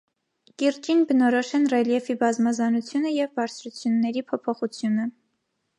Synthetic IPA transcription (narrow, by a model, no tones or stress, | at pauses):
kiɾt͡ʃinbənɔɾɔʃɛnrɛljɛfibɑzmɑzɑnut͡sʰjunəjɛvbɑɾt͡sʰɾut͡sʰjunːɛɾipʰɔpʰɔχut͡sʰjunə